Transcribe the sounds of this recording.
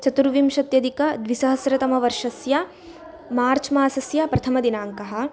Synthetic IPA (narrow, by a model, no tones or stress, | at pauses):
t͡ʃɐt̪uɾʋimʃɐt̪jɐd̪ikɐd̪ʋisɐɦɐsɾɐt̪ɐmɐʋɐɾʂɐsjɐ | maːɾt͡ʃmaːsɐsjɐpɾɐt̪ʰɐmɐd̪inaːŋkɐɦɐ̆